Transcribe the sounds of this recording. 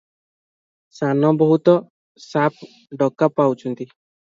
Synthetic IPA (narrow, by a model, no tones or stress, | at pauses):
sanɔbɔɦut̪ɔ | sap̚ʰ | ɖɔkapawt͡ʃʰɔnt̪i